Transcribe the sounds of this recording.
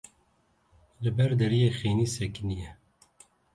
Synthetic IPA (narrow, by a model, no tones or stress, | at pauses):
lɨbɛɾd̪ɛɾijeːxeːniːsɛknijɛ